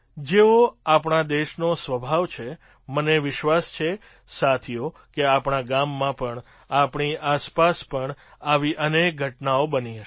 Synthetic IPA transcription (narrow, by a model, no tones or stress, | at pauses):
d͡ʒeoapɳad̪eʃnosʋəbʱaʋt͡ʃʰe | məneʋɪʃʋast͡ʃʰe | sat̪ʰijo | keapɳ̃aɡamːãpəɳ | apɳiʔaspaspəɳaʋiʔənek̚ɡʱəʈnaobəniɦəʃ